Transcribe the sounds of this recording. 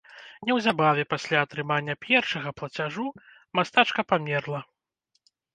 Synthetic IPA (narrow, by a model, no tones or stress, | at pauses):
nʲɛwzʲabavʲɛpasʲlʲaɐt̪ɾɨmanʲːɐpʲʰjɛrʂɐɣɐplˠɐt͡sʲaʐu | mast̪at͡ʂkɐpamʲɛrlˠɐ